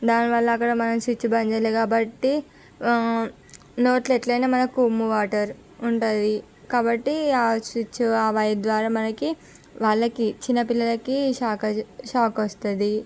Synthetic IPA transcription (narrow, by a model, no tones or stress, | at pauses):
d̪aːniʋɐɭːɐːkːɐɽɐmɐnɐmsʋit͡ʃːubɐɲd͡ʒɐleːkaːbɐʈːi | noːʈleʈlɐjnaːmɐnɐkuːmuʋaːʈɐɾ | uɳʈund̪i | kaːbɐʈːiaːsʋit͡ʃːuaːʋɐjɐd̪ʋaːɾaːmɐnɐki | ʋaːɭːɐkit͡ʃinːɐpilːɐlɐkiʃaːkɐʃaːkɐst̪und̪i